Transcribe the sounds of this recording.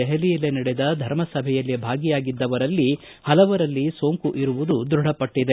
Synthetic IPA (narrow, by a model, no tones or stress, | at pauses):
ɛɦɐlijɐlenɐɽed̪ɐd̪ʱɐɾmɐsɐbʱɛjɐlːibʱaːɡijaːɡid̪ːɐʋɐɾɐlːi | hɐlɐʋɐɾɐlːiso̞ːŋkuʔiɾuʋud̪ud̪ɾuɽ̤ɐpɐʈːid̪e